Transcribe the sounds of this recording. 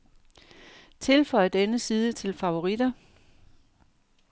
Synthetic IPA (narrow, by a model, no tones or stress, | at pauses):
t͡sʰe̝lfɒ̽ɪɐd̥enəsiːð̞ˠət͡sʰe̝lfɑ̈o̝ʁid̥ɐ